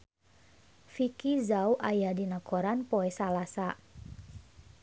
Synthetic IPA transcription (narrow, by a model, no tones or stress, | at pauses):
fikizauʔajadinakʰoɾanpoɛsalasa